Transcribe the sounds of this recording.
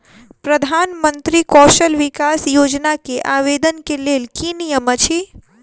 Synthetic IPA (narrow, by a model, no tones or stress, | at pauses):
pɾəd̪ʱaːnmə̃nt̪ɾikɔːʃəlʋɪkaːsjoːd͡ʒnakeʔaːʋeːd̪ənkeleːlkinijəmət͡ʃʰi